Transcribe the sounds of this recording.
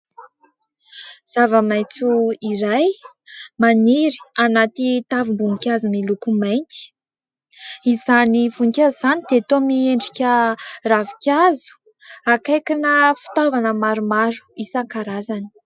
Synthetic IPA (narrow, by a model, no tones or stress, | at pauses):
z̥avəmajt͡suiɾaj | maniɾi̥anat̪it̪avimbuŋikʲazumilukumajnt̪i̥ | izanivunikʲaizanid̪eat̪omieɳɖ͡ʐikʲəravikʲazu̥ | akajkinəfi̥t̪avanəmaɾumaɾu̥isaŋkaɾazani̥